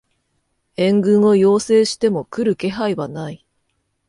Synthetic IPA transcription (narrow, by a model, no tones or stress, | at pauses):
ẽ̞ŋɡɯ̟̃ɰ̃o̞jo̞ːse̞ːɕi̥t̪e̞mo̞kɯ̟ɾɯ̟ke̞ɦaiβanai